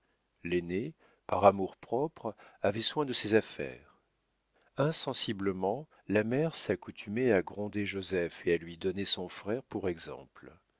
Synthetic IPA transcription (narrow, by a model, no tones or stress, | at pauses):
lene | paʁamuʁpχɔpχavɛswɛ̃d̪əsɛzafɛ̰ːʁ | ɛ̃sɑ̃sibləmɑ̃ | lamɛʁsakut̪ʰymeaɡʁɔ̃d̪eʒozɛfealɥid̪ɔnesɔ̃fχɛʁpuʁɛɡzɑ̰̃pl